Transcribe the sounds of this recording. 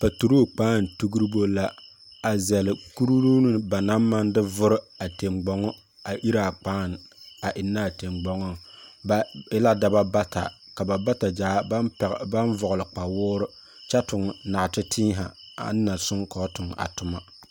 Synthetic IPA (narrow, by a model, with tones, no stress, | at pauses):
ba˨tu˨ɾo˦˨k͡paː˦n˨tu˦ɡu˦ɾɨ˦bo˦la˦ | a˨zɛ˨lɪ˨ku˦ɾu˦ɾu˦nɨ˦ba˨na˦mːa˦n˦dɨ˦vʊ˦ɾɪ˦ | a˨te˨mɡ͡bɔ˨ŋɔ˦ | a˨ʔi˦ɾa˨k͡paː˦n˨a˨ʔɪ˨nːa˦˨te˨mɡ͡bɔ˨˦ŋɔ˦ŋbɪ˦la˦da˨ba˦ba˦ta̰˨ | ka˨ba˨ba˦ta˨d͡ʒaː˨˦˨ba˦nvʊ˨ɣʊ˨lɨ˨k͡pa˨wʊː˦ɾʊ˦ | t͡ʃɛ˦tʊ˨ŋ˨na˨tɪ˦tʰiː˦ɦa̰˨ | a̰˨nː˦a˨sʊ˦ŋkɔ˨˦tʊ˨ŋa̰˨tʊ˨ma˦